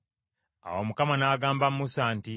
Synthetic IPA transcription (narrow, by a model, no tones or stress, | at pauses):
a̰womukamanaːɡaːmbamːusaːnti